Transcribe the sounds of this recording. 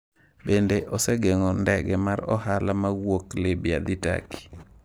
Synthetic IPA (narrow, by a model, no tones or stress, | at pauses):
ɓendeʔɔseɡeŋɔndɛɡɛmaɾɔ̰halamaɡwoklebia̰d̪ita̰ki̥